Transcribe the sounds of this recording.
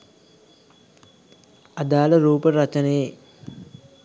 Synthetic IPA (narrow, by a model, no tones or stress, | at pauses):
ɐd̪aːlɐɾuːpɐɾɐt͡ʃɐneː